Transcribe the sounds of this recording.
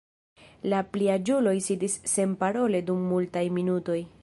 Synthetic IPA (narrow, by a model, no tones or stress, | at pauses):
lapliad͡ʒulo̞jsidisːe̞mpaɾo̞le̞dumːultajminuto̞j